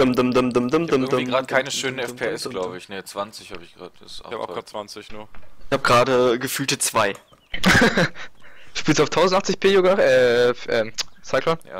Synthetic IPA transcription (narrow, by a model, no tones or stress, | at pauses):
əmdəmdəmdəmdəmdəmdʁaːdəkʰaɪnəʃøːnənɛpʰeɛsɡlaʊbəɪçnət͡sv̥ant͡sɪçhaːbɪçɡ̥ʁa̰ːdə̥ɪsʔa̰t͡svant͡sɪnuɐɪhaːbəɡʁaːdəɡəfyːltət͡sv̥aɪ | ʃpiːlstuaʊftʰaʊzn̩taχt͡sɪçpʰeːjoːɡaɛːʔɛːsaɪkʰlɔna̰